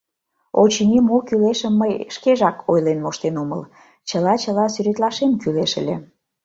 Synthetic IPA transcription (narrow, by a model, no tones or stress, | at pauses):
ot͡ɕinʲimokyleʃəmːəjʃkeʒɑkʰojlenmoʃt̪enomə̰l | t͡ɕəlɑt͡ɕəlɑsyɾet̪lɑʃemkyleʃə̰lʲḛ